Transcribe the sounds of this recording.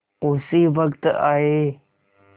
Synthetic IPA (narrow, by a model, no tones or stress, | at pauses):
oːsiːʋəkt̪aːɦeː